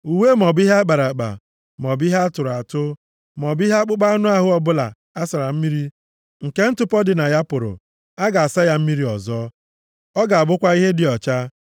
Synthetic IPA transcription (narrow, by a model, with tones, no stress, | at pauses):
u˨weː˦mɔ˨bi˦ɦa˦k͡pa˨ɾa˨k͡pa̰˨ | mɔ˨bi˦ɦa˦a˦tʊ˨ɾʊ˨a˨tʊ˦ | mɔ˨bi˦ɦa˦k͡pʊ˦k͡pa˦a˦nʊ˦a˦ɦʊ˦ɔ˦bʊ˦la̰˨ | a˦sa˨ɾa˨m̩˦mi˦ɾi˦ | ŋ̩˨ke˦n̩˦tʊ˦pɔ˦dɪ˨na˨ja˦pʊ˨ɾʊ̰˨ | a˦ɡa˨a˨sa˦ja˦m̩˦mi˦ɾi˦ɔ̰˨zɔ˦ | ɔ˦ɡa˨a˨bʊ˦kʷa˦i˦ɦe˦dɪ˨ɔ˨t͡ʃa˦